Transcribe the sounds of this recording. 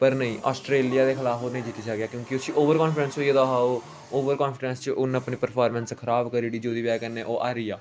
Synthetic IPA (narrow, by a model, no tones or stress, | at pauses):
pəɾnəĩːʔaːsʈɾeːlijaːd̪eːkʰɪlaːfoːnəĩd͡ʒɪt̪ːiːt͡ʃaːɡeaːkjõːkɪʊsĩːʔoːʋəɾkɔ̃ːnfɪɖɛ̃nsɦoːied̪aɦaːoː | oːʋəɾkɔːnfɪɖɛnst͡ʃəʔʊnəpniːpəɾpʰaːɾmə̃nskʰəɾaːbkəɾiːɽiːd͡ʒoːd̪iːʋaːkɛnːẽːʔoːʔaːɾiːjaː